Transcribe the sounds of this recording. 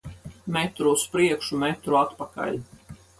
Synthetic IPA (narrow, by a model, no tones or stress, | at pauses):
mɛt̪ɾuuspɾiɛkʃumɛt̪ɾuat̪paka̰lʲ